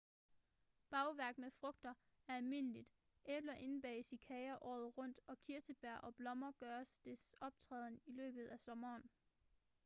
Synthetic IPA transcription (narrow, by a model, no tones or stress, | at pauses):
b̥ɑ̈ʊʋæɐɡ̥nmefʁɔɡ̥̚d̥ɐ | æɐælme̝nəlid̥ | ʔe̥lɐʔe̝nb̥ɛ̰ːsikʰɛɪɐʔɒ̰ːð̞̩ˠʁɔ̽n̰d̥ɒ̽kʰiɐsəb̥æɐ̰ʔɒ̽b̥lɒ̽mɐɡ̥ɶːɐsd̥esɒ̽b̥̚t͡sʰʁɛ̰ːð̞ˠn̩ilø̰ːb̥ð̞̩ˠæsɒ̽mɐːn